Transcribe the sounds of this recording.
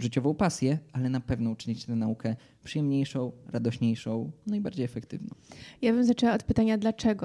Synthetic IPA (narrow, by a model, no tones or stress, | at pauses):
ʐɘt͡ɕɔvɔ̃w̃pasʲjɛalɛnapɛvnɔut͡ʂɘɲit͡ɕt̪ɛnaukɛ | pʂɨjɛmɲejʂɔ̃w̃ɾad̪ɔɕɲejʂɔ̃w̃naiba̰ɾd͡ʑejɛfɛkt̪ɘ̰vnɔ̰̃w̃jabɘmzat͡ʂɛwaɔt̪̚pɘt̪aɲad̪lat͡ʂɛɡɔ